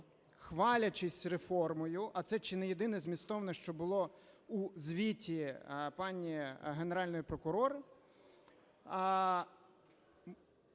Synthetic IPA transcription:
xʋɑlʲɐt͡ʃɪsʲrefɔrmɔjʊʔɐt̪sɛt͡ʃɪnɛjed̪ɪnɛzʲmʲist̪ɔʋnɛʃt͡ʃɔbʊlˠɔuzʲʋʲitʲipɑnʲːiɦe̞neɾɑlʲnɔjipɾɔkʊɾɔɾɪ

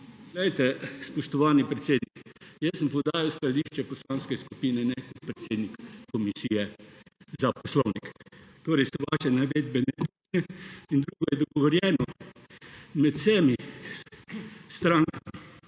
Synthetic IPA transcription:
ɡlɛjt̪ɛspɔʃt̪ɔʋaːnipɾɛt̪seːd̪nikjəsːəmpɔwd̪aːɾiwst̪aliʃt͡ʃɛpɔslãnskɛskupiːnɛnɛkɔt̪̚pɾɛt̪seːd̪nikːɔmisijɛ | zapɔslɔwnikt̪oːɾɛɪjsɔʋaʃɛnɛʋed̪̚bɛnɛt̪unɛind̪ɾuɡɔjɛd̪ɔɡɔʋɔɾjɛːnɔ | mɛt̪sɛmi | st̪ɾaŋkami

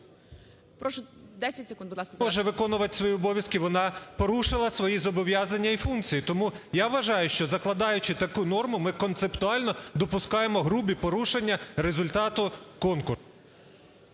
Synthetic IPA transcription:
pɾɔʃʊd̪ɛsʲɐtʲsʲɪkundbʊd̪ˠɑskɔʒɛʋɪkɔnʊʋɐt̪ɪ̥sʋɔjiɔbɔʋʲjɐskiʋɔnɑpɔɾuʃɪlˠɐsʋɔjizɔbɔʋʲjazɐnʲːɐifunkt͡sʲijit̪ɔmu | jaʋʋːɐʒɑjʊʃt͡ʃɔzɐklˠɐd̪ɑjʊt͡ʃɪt̪ɐkunɔrmʊmɪkɔnt̪sept̪ʊɑlʲnɔd̪ɔpʊskɑjemɔɦɾubʲipɔɾuʃenʲːɐɾe̞zʊlʲt̪ɑt̪ʊkɔnkʊ

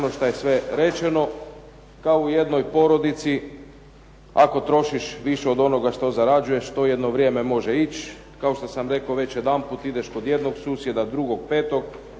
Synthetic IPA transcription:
onoʃt̪ajesʋe̞ɾe̞t͡ʃeno̞ | kaouje̞d̪no̞jpo̞ɾo̞d̪it̪si | a̰ko̞t̪ɾo̞ʃiʃʋiʃeo̞d̪o̞no̞ɡaʃt̪o̞zaɾad͡ʒuje̞ʃt̪o̞je̞d̪no̞ʋɾʲjeme̞mo̞ʒeit͡ɕ | kao̞ʃt̪osamɾe̞kaoʋe̞t͡ɕje̞d̪amput̪id̪e̞ʃko̞d̪je̞d̪no̞ɡsuːsje̞d̪ad̪ɾuɡo̞ɡ̚peːt̪o̞ɡ

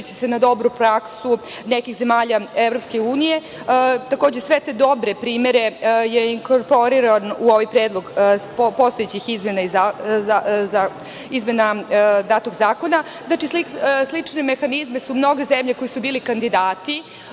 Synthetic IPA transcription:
t͡ɕe̥senad̪o̞bɾupɾaksu | nekixze̞maːʎaevɾopske̞uːnije̞ | t̪akoːd͡ʑe̞sʋet̪ed̪o̞bɾepɾiːme̞ɾe̞jeiŋkoɾpo̞ɾiɾanuo̞ʋajpɾeːd̪lˠo̞ɡ | po̞st̪o̞jet͡ɕixizmenaizaaa | izme̞nad̪aːt̪oɡzaːko̞na | znaːt͡ʃislislit͡ʂneme̞xanizmesumno̞ɡezemʎeko̞jisubiːlikand̪id̪aːt̪i

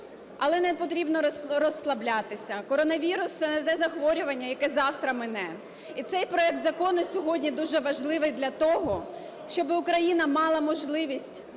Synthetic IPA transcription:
ɐlˠɛnɛpɔt̪ɾʲibnɔɾɔslˠɐblʲat̪ɪsʲɐkɔɾɔnɐʋʲiɾʊst̪sɛnɛt̪ɛzɐxʋɔɾʲʊʋɐnʲːɐjɐkɛzɑwt̪ɾɐmɪnɛ | it̪sɛjpɾɔɛk̚t̪zɐkɔnʊsʲɔɦɔdʲnʲid̪uʒɛʋɐʒlˠɪʋɪjd̪lʲɐt̪ɔɦɔ | ʃt͡ʃɔbɪʊkɾɐjinɐmɑlˠɐmɔʒlˠɪʋʲisʲtʲ

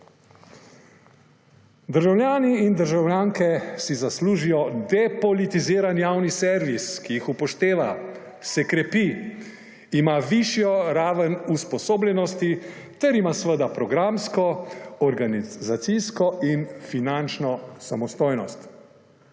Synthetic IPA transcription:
d̪əɾʒawlʲjaːniːnd̪əɾʒawlʲjaːŋkɛsizasluːʒijɔd̪ɛpɔlit̪iziːɾanjaːwnisɛɾʋiskijixupɔʃt̪eːʋa | sɛkɾɛpi | imaʋiʃjɔɾaːʋənuspɔsoːblʲjɛnɔst̪i | t̪ɛɾimasʋəd̪apɾɔɡɾamskɔɔɾɡanizat̪siskɔʔinfinant͡ʃnɔsamɔst̪oːjnɔst̪

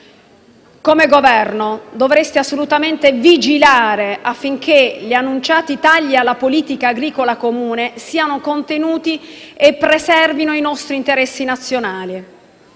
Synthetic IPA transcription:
komeɡovɛrnod̪ovɾest̪easːolut̪ament̪evid͡ʒilaːɾeʔafːiŋkʰeʎianːunt͡ʃaːt̪it̪aʎːialːapoliːt̪ikaːɡɾiːkolakomuːnesiːanokont̪enuːt̪iepːɾesɛrvinoinɔst̪ɾint̪eɾɛsːinat̪sːjonaːli

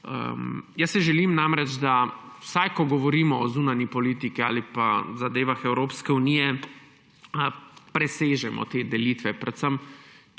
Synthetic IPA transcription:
ə̰mjɐsɛʒɛlimnamɾɛd͡ʒd̪a | wsajkɔɡɔʋɔɾiːmɔɔzunanipɔliːt̪ikia̰ːlipazad̪eːʋaxɛwɾoːpskɛuniːjɛ | əpɾɛseːʒɛmʔɔ̰t̪eːd̪ɛliːt̪ʋɛpɾɛt̪səm

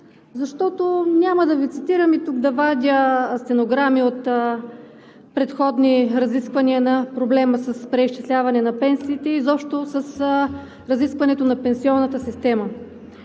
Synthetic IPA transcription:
zɐʃt̪ɔt̪onʲaməd̪ɐvit̪sit̪iɾəmit̪uɡd̪ɐvad̪ʲəst̪ɛnoɡɾamiot̪ | pɾɛt̪xɔd̪niɾɐziskvɐniənɐpɾoblɛməsɐspɾɛiʃt͡ʃi̥slʲavɐnɛnɐpɛnsiːt̪ɛizɔpʃt̪osɐs | ɾɐziskvɐnɛt̪onɐpɛnsiɔnːət̪əsist̪ɛmə

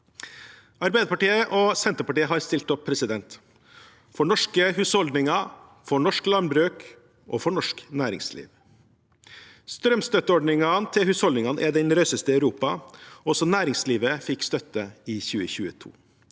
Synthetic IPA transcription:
ɑɾbæɪd̪əpɑʈiːəʔoːsɛnt̪ɾəpɑʈiːəɦɑɾst̪ɪlt̪ɔpʰːɾɛsɪd̪ɛnt̪ | fɔɳɔʂkəhʉːshɔld̪nɪŋɑ | fɔɳɔʂklɑnbɾʉːk | ʔo̰ːfɔɳɔʂknæːɾɪ̰ŋslḭːʋ | st̪ɾœmst̪œt̪əɔɖɳɪŋɑnt̪ʰɪlhʉːshɔld̪ɪŋɑnʔæɖɛnɾœʏsəst̪əɑʉɾuːpɑɔsɔnæːɾɪŋsliːʋəfɪkst̪œt̪ːəiːçʉːəçʉːət̪ʰṵː

